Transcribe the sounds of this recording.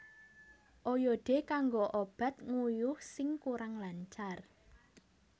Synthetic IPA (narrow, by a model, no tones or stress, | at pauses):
ʔojɔɖ̥e̤kaŋɡoʔob̥a̤t̪̚ŋujʊhsɪŋkuɾaŋlaɲt͡ʃar